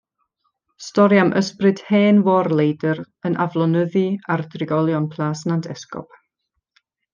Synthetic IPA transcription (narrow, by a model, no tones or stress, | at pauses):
stɔɾjamʔəsprɨd̥heːnwɔrlˠejdər | ənʔavlˠɔnəðiardrɪɡɔlˠjɔnpʰlˠaːsnandʰɛskɔ̰p̚